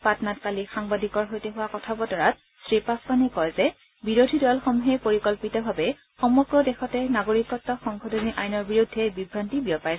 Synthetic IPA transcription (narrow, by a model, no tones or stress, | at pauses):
patnatkalixaŋbadʱikɔɹɦojtɛɦʊwakɔtʰabɔtɔɹat | sɹipaskanɛkɔjzɛ | biɹodʱidɔlxɔmuɦɛpoɹikɔlpitɔbʱabɛ | xɔmɔɡɹɔdɛxɔtɛnaɡoɹikɔtːɔxɔŋkɔdʱɔniʔajnɔɹbiɹudʱːɛbibʱɹantibiɔpaj